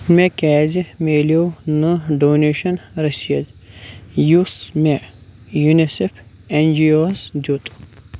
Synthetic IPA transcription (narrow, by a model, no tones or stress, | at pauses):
mekɛːzimeːliownɨɖoːneːʃɐnɾɐsiɐz | jusme | junisefʰ | end͡ʒioːsdot̪ʼu̥